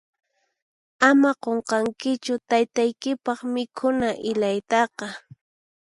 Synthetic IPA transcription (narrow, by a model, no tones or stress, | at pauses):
amaqoɴqɑŋkɪt͡ʃʊt̪ajt̪ajkɪpɑχmɪkʰʊnaʔɪʎajt̪ɑqɑ